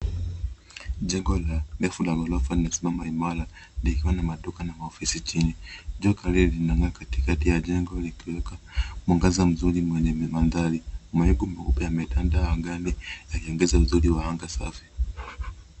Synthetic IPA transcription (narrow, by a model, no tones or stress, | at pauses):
ʄɛŋɡɔlanɛfulaɡɔlɔfalinasimamaimala | likiwanamaɗukanamaɔfisit͡ʃiniʄɔkaɾilinaŋɡakati̥katijaʄɛŋɡɔlikiwɛka | mwaŋɡazam̩zuɾimwɛɲɛmanðaɾimaɛɡumɛkupɛjamɛtandaaŋɡanijaliɔŋɡɛzauzuɾiwahaŋɡasafi̥